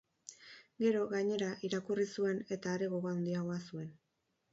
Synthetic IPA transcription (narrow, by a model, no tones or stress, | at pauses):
ɡe̞ɾo̞ɣaɲe̞ɾaʔiɾakurisue̞ne̞t̪aːɾe̞ɣo̞ɣoawnd̪iaɣo̞asue̞n